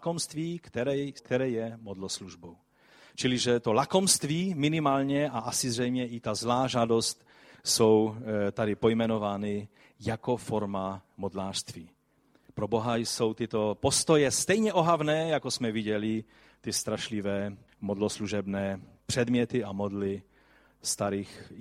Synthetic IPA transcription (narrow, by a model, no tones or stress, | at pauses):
komst̪viːkt̪ɛɾɛkt̪ɛɾɛːjɛmod̪losluʒbow | t͡ʃɪlɪʒɛt̪o̞lako̞mst̪viːmɪnɪmaːlɲɛʔaasɪzrɛjmɲɛʔɪt̪azlaːʒaːdo̞st̪ | so̞wt̪adɪpo̞jmɛno̞vaːnɪ | jako̞foɾmamod̪laːʃst̪viː | pɾobo̞ɦajso̞wt̪ɪt̪o̞po̞st̪ojɛst̪ɛjɲɛʔo̞ɦavnɛːjakosmɛviɟɛlɪ | t̪ɪst̪ɾaʃlɪvɛː | modlosluʒɛbnɛːpr̝̥ɛd̪mɲɛt̪ɪamod̪lɪ | st̪aɾiːx